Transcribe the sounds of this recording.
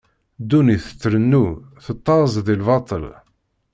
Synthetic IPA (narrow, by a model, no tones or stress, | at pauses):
d̪uniθə̥t͡sːɾənːuθət̪ˤːɑˤzˤðilvɑt̪ˤə̰l